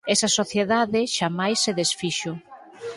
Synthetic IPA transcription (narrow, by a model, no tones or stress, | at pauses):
ɛsɐsoθjeðaðɪʃamajsːeðesfiʃʊ